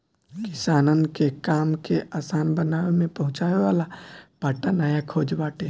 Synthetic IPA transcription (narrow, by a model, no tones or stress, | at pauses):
kɪsaːnənkekaːmkeʔaːsaːnbənaːʋemẽpɐɦʊ̃t͡ʃaːeʋaːlapaːʈanəjakʰoːd͡ʒbaːʈe